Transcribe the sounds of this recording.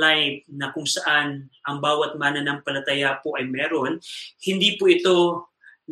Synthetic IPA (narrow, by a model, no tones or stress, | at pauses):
ajf̚nɐkʊŋsɐʔanʔɐŋbaːwɐt̪̚maːnɐnɐŋpɐlɐt̪ɐjapoʔɐjmɛːɾo̞nhɪnd̪ipoʔɪt̪o̞ | n